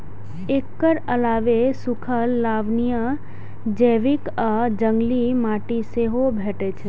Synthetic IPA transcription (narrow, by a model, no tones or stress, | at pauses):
ekːəɾəlaʋesukʰəlːaʋnijə | d͡ʒeʋikəd͡ʒəŋɡlimaʈiseɦobʱeʈet͡ʃʰe